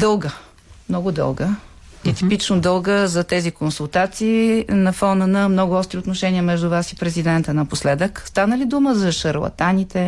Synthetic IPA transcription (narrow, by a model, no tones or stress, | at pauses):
d̪ɤlˠɡə | mnɔɡʊd̪ɤ̰lˠɡə | it̪ipit͡ʃnod̪ɤlˠɡəzɐt̪ɛzikonsulˠt̪at̪siːnɐfɔnənɐmnɔɡʊɔst̪ɾiot̪noʃɛniəmɛʒd̪ʊvasipɾɛzid̪ɛnt̪ənɐposlɛd̪əkst̪anəlid̪uməzɐʃəɾlˠɐ̰t̪anit̪ɛ